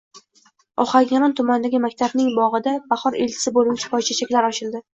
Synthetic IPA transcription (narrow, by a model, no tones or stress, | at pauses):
ɒχaɡʲanɒnt̪ʰʊmand̪aɡʲɪmakʲt̪ʰabnɪŋbɒʁɨd̪abaχɒɾelt͡ʃʰɪ̥sɪbolʊwt͡ʃʰḁpʰɒjt͡ʃʰat͡ʃʰakʲlaɾɒt͡ʃʰɪld̪ɪ